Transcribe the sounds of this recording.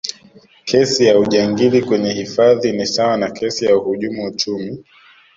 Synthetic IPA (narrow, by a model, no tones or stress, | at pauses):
kʰɛsijauʄaŋɡilikwɛɲɛhifaðinisawanakʰɛsijauhuʄumuut͡ʃumi